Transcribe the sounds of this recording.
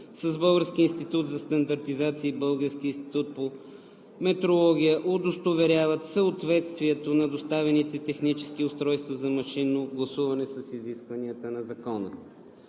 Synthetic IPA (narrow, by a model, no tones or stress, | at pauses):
sɐzbɤlˠɡəɾsk̟iːnst̪it̪ut̪zɐst̪ɐnd̪ɐɾt̪izat̪siːbɤlˠɡəɾsk̟iːnst̪i̥t̪ut̪̚po | mɛt̪ɾolˠɔɡ̟ʲijəʔod̪ost̪ovɛɾʲavət̪səot̪vɛt̪st̪viɛt̪onɐd̪ost̪avɛnit̪ɛt̪ɛxnit͡ʃɛ̥skiʊst̪ɾɔjst̪vɐzɐmɐʃinoɡlˠɐsuvɐnɛsɐsiziskvɐniət̪ənɐzɐkɔnə̰